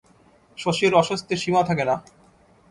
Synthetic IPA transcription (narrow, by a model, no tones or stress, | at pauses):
ʃoʃioɾɔʃost̪ʰeʃimat̪ʰakena